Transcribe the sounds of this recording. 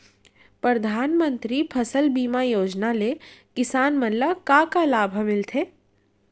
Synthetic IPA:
pɾəd̪ʱaːnmə̃nt̪ɾipʰɐsəlbiːmajoːd͡ʒnalekɪsaːnmənlakakalaːbʱəmɪlt̪ʰeː

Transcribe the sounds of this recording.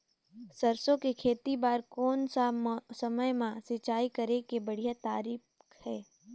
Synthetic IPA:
sɐɾsõkekʰeːt̪ibaːɾkɔːnsasɐməjmãsɪt͡ʃaːikɐɾekebɐɽ̤ijat̪aːɾiːf | hɛː

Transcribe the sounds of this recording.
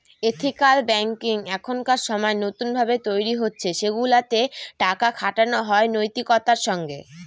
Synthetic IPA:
et̪ʰikalbɛŋkiŋɛkʰonkaɾʃɔmɔenot̪unbʱabet̪ojɾiɦotːɕʰeʃeɡulat̪eʈakakʰaʈanoɦɔenojt̪ikɔt̪aɾʃɔŋɡḛ

